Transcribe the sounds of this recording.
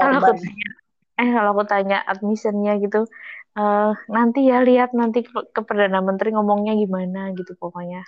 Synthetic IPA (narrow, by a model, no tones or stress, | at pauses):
kaloakut̪aɲa | ɛhkaloakut̪aɲaʔat̪̚misənɲaɡit̪uənant̪ijaliat̪̚nant̪ikəpərdanamənt̪ɾiŋɔmɔŋɲaɡimanaɡit̪upokoɲa